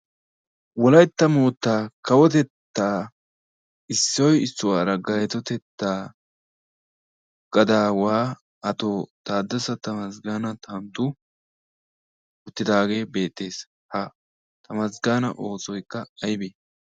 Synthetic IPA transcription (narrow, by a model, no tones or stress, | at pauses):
wɔlɐjt̪ːɐmoːt̪ːaːkɐwɔt̪ɛt̪ːaː | ɪsːɔjɪsːʊwaːɾɐɡɐjɛt̪ɔt̪ɛt̪ːaː | ɡ̥ɐd̪aːwaː | ɐt̪oːt̪aːd̪ːɐsɐt̪ɐmɐsɡaːnɐt̪ɐnt̪ʊ | ʊt̪ːɪd̪aːɡe̞ːbe̞ːt̪ːe̞ːs | hɐ | t̪ɐmɐs̬ɡaːnɐ̰ʔo̞ːt͡sɔjkːɐɐjbeː